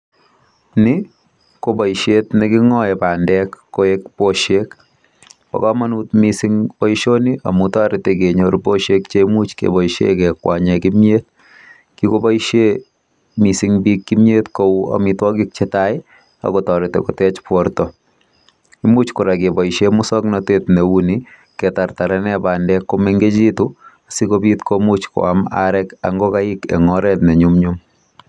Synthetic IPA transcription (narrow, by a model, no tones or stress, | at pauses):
nɪ | kobɔiʃetnikɪŋɔɛpandɛkːoɛkpoʃek | pa̰kamanutmisiŋbɔiʃoniʔa̰mutɔɾɪtɛkeɲoɾpoʃekt͡ʃemut͡ʃkḛbɔiʃḛkɛkːwaɲɛkimjet̚ | kikobaiʃe | misiŋbikːimjetkoua̰mitwɔkik̚t͡ʃetaɪ | a̰kɔtɔɾɪtɛ̰kɔtɛt͡ʃpwɔɾtɔ | imut͡ʃkʊɾakebɔiʃemʊsɔknɔtetnewuni | kɛtaɾtaɾɛnɛbandɛkːomeŋɡet͡ʃituasikobitkomut͡ʃko̰ama̰ɾɛka̰ŋɡokaikḛŋɔɾɛtnɛɲumɲum